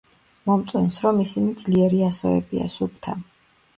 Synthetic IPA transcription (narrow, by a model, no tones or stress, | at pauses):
mɔmt̪sʼɛnsɾɔmisinid̪zliɛɾiasɔɛ̰bia̰sup̚ʰt̪ʰa